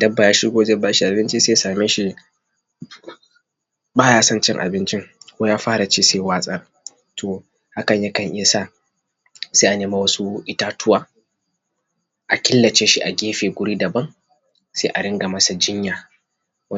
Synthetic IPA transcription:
dɐ˦bːa˨jaː˦ʃɪ˦ɡʷoː˦d͡ʒɛ˦baː˦ʃi˦ʔa˨bɪ˦nt͡ʃi˦seː˦jsaː˨meː˦ʃi˦ | baː˦jaː˦sɐ˦nt͡ʃɪ˦ŋʔa̰˨bɪ˦nt͡ʃɪ˦ŋkʷoː˦jaː˦ɸaː˦ɾa˨t͡ʃeː˦seː˦˨waː˦sʼɐ˦r | tʰoː˨ | ha˦kɐ˨ɲjaː˦kɐ˨ŋʔɪ˦ja˨saː˦˨ | seː˦ʔa˨neː˨ma˦wɐ˦su˦ʔɪ˦taː˦tʊ˦waː˨ | ʔa˨kʲɪ˦lːɐ˨t͡ʃeː˦ʃi˦ʔa˨ɡʲeː˦ɸeː˨ɡʷʊ˦ɽiː˦dɐ˨bɐ˦ŋ | seː˦ʔa˨ɽɪ˦ŋɡa˨mɐ˦sa˨d͡ʒɪ˦ɲjaː˨˦

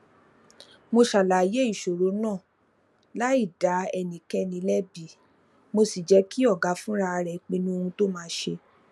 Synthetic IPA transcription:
mo˧ʃa˨la˨je˦i˦˨ʃo˨ɾo˨˦nãː˦˨ | la˦i˦˨da˨˦ɛ˧˨nĩ˨kɛ˧nĩ˧˦lɛ˦bi˨ | mo˧si˨d͡ʒɛ˨˧˦ki˦ɔ˦˨ɡa˨˦fũ˦ɾa˧ɾɛ˨˦k͡pĩ˧nũ˦o˧ũ˧to˦mãː˦˧˦ʃe˧

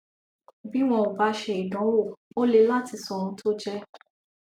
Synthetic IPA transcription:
bi˦w̃ɔ̃˧o˨ba˨˦ʃe˧i˨dɔ̃˨˦wo˦˨o˦le˧la˦˨ti˧sɔ̃˨ɾ̃ũ˨˦tʰo˦d͡ʒɛ˦

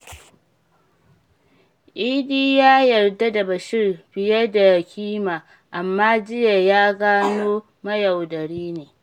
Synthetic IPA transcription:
ʔiː˦diː˦jaː˦jɐ˨rda˦da˨bɐ˨ʃɪ˦rbɪ˨jɐ˦da˨kʲiː˦maː˨ | ʔa˨mːaː˦d͡ʒɪ˦ja˨jaː˦ɡaː˦noː˦ | mɐ˦ja˨wdɐ˨ɽiː˦neː˨

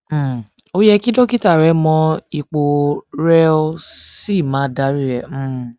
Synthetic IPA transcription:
o˦jɛ˧ki˦dɔ˦ki˦ta˦˨ɾɛ˧˦mɔ̃˧i˨k͡po˨ɾɛ˦o˦˧si˦˨mã˨˦da˨˦ɾi˦ɾɛ̃˦˧˨

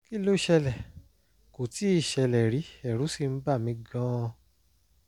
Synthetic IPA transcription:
ki˦lo˦i˨ʃɛ˧lɛ˨ | ko˨ti˨˦i˦˨ʃɛ˧lɛ˨ɾi˨˦ɛ˨ɾu˨˦si˦˨m̩˦ba˦˨mĩ˧ɡã˦˧

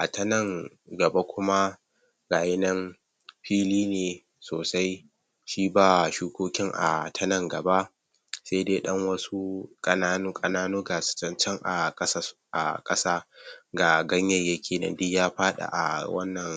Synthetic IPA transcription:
ʔa˨tɐ˦nɐ˦˨ŋ | ɡɐ˨ba˦kʷʊ˦ma˦ | ɡaː˨jɪ˦nɐ˦m | ɸiː˦liː˦neː˨ | soː˨sa˦j | ʃiː˦baː˨ʃuː˦kʷoː˦kʲɪ˦ŋʔa̰˨tʰɐ˦nɐ˦ŋɡɐ˨ba˦ʔ | seː˦deː˦ɗɐ˦ŋwɐ˦su˦kʼɐ˨naː˦nu˦kʼɐ˨naː˦noː˦ɡa˨sɪ̥˨t͡ʃɐ˦nt͡ʃɐ˦ŋʔa˨kʼɐ˦sa˦ʔa̰˨kʼɐ˦saː˦ɡaː˨ɡɐ˦ɲjɐ˦jɐ˦kʲʰeː˨nɐ̰˨ndɪ˦kjaː˦ɸaː˦ɗa̰˨ʔa̰˨wɐ̰˦nːɐ˨ŋ

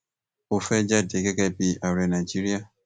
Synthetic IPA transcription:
o˨fɛ˦d͡ʒa˦˨de˨ɡe˦ɡɛ˦˨bi˦a˨ɾɛ˨na˨d͡ʒi˦ɾi˦a˦

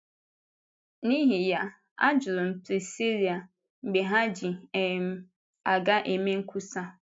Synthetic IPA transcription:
nĩ˦ɦi˨ja˨ | a̰˦d͡ʒʊ˨ɾʊ˨m̩˨pʰɾi˨si˦ɾi˨a˨ | ŋ͡m̩˨ɡ͡be˨ɦã˦d͡ʑi˨ɛ˨m̩˨˦ | a˨ɡa˦ʔe˨mẽ˦ŋ̩˦kʰu˦sa˦

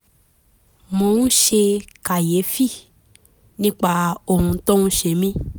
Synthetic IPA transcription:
mõ˧˦nũ˦ʃe˧ka˨je˨˦fi˦˨ | nĩ˦k͡pa˧o˦˧˨hũ˧tɔ̃˦nũ˦ʃe˧˦mĩ˦

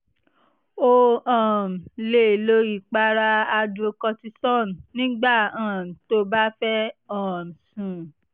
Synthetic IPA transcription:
o˧ɔ̃˨m̩˨le˨lo˧i˨k͡pa˧ɾa˧a˧do˧kɔ˧ti˧sɔ̃˦˨n˨nĩ˦ɡ͡ba˦˨ã˨to˦ba˦fɛ˦ɔ̃˦˨m˨sũ˨

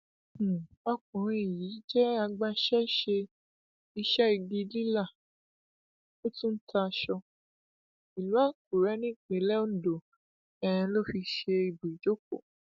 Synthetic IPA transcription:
ɔ˧kũ˨ɾ̃ĩ˧i˨ji˨˦d͡ʒɛ˦a˧ɡ͡ba˧ʃɛ˦ʃe˧ | i˧ʃɛ˦i˧ɡi˧li˦la˦˨ | o˦tũ˦n̩˦tʰa˧ʃɔ˧ | i˨lu˨˦a˦k̚u˨ɾɛ˨˦nĩ˦˨k͡pe˨˦lɛ˦o˦n̩˨do˨ | ɛ̃˨ɛ̃˧lo˦fi˧ʃe˧i˨bu˨i˨d͡ʒo˦k̚o˦˨

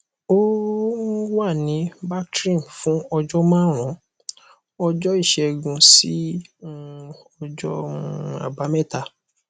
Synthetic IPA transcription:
õ˦ | wa˦˨nĩ˨˦ba˦tɾĩ˦˨mfũ˨˦ɔ˧d͡ʒɔ˦mãː˦˨ɾ̃ɔ̃˨˦ | ɔ˧d͡ʒɔ˦i˦˨ʃɛ˧˨ɡũ˧si˦ | ɔ˧d͡ʒɔ˦˨a̰˨ba˨˦mɛ̃˦˨ta˦˨

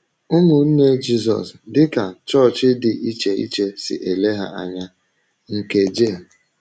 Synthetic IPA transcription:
ʊ˦mʊ˨n̩˦ne˦d͡ʒi˦zɔ̰˨sdɪ˦ka˨t͡ʃɔ˦˨t͡ʃɪ˦dɪ˨ʔi˦t͡ʃe˨ḭ˦t͡ʃe˦sɪ̰˨ʔe˨le˦ɦa̰˦a̰˨ɲa˦ | ŋ̩˨ke˨d͡ʒe˦˨

